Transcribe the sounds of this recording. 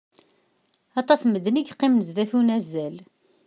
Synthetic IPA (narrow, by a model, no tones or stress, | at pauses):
ɑt̪ˤɑsməd̪niɡqːɪməzðæθunæzːæl